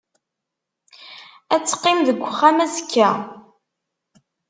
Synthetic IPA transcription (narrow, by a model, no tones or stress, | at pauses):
æt͡sːə̥qːɪmðəɡʷːəχːæmæzkːæ